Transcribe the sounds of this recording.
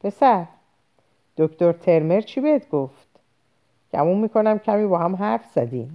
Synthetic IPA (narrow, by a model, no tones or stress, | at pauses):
b̥esæɾ | d̪̥okt̪oɾt̪ʰe̞ɾme̞ɾt͡ʃʰibeed̪ɡoft̪ | ɡ̥æ̰mumːiːkʰo̞næmcʰæmiːbɒːhæmɦæɾfz̥æd̪iːm